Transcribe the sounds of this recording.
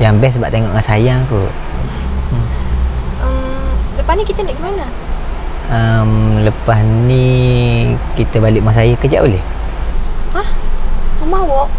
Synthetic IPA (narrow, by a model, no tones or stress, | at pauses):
jaŋbɛs̬ba̰ʔt̪eŋɔʔŋansajaŋk̪ṵ | əmləpahnikit̪ənaʔɡimana | əmləpasni | kit̪əbalɪʔmas̬ajəkəd͡ʒa̰ʔoleh | ahəmawɔʔ